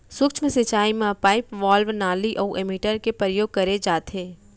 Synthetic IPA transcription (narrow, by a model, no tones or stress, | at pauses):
sʊkt͡ʃʰmẽsɪt͡ʃaːimãpaːɪpʋaːlʋnaːliʔɔʔemiʈəɾkepɾəjoːɡ̚kɐɾed͡ʒaːt̪ɦeː